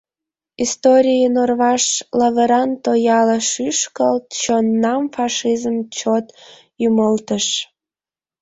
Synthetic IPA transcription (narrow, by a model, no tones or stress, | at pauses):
ist̪oɾʲijənorβɑʃlɑβeɾɑnt̪ojɑləʃyʃkəlt̪t͡ɕonːɑmfɑʃizəmt͡ɕot̪ | jyməlt̪əʃ